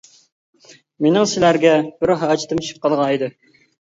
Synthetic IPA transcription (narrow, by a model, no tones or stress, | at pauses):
menɪŋsɪlæɾɡʲɛbɪɾɦɑːt͡ʃʰt̪ɨmʃʰɨ̥p̚qʰɑlˠʁɑid̪ɨ